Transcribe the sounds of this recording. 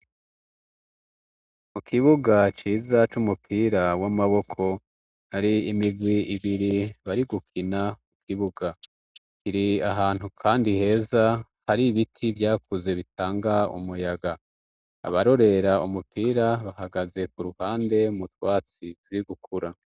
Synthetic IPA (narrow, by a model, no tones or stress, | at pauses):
mukʰiβuɡat͡ʃiːzat͡ʃumupʰiːɾawamaβo̞kʰo̞ | haɾiimiɡwiiβiɾiβaɾiɡukʰinamukʰiβuɡa | kiɾiaɦaːn̥ukʰaːndihe̞ːzahaɾiβitʰivjaːkuze̞βitʰaːŋɡaṵmujaɡa | a̰βaɾo̞ɾe̞ɾaumupʰiːɾaβahaɡaze̞kuɾuhaːnde̞mutwaːt͡situɾiɡukʰuɾa